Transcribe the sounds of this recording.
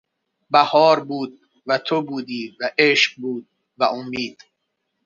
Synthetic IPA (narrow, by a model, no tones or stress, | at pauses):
bæhɒːɾbuːd̪̚ | væt̪ʰobuːd̪iːvæʔeʃq̚buːd̪̚ | væʔomːiːd̪̥